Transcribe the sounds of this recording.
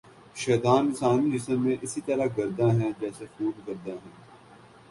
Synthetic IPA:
ʃɛːt̪aːnɪsaːnid͡ʒɪsəmːẽːʔɪsiːt̪ɐɾaɡɐɾd̪ãːɦɛ̃ːd͡ʒɛːsefuːd̪ɡɐɾd̪ãːɦɛ̃ː

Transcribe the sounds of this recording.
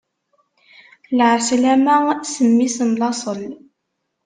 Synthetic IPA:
lʕslæmæsəmːisənlˤɑsˤəl

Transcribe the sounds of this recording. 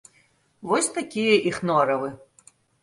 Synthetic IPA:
vɔsʲt̪akʲijɐʔixnɔɾɐvɨ

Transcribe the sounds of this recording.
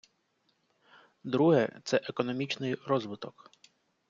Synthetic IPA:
d̪ɾuɦɛt̪sɛʔekɔnɔmʲit͡ʃnɪjɾɔzʋɪt̪ɔk

